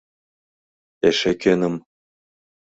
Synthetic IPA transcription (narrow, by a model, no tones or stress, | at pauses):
eʃekʲønɤ̆m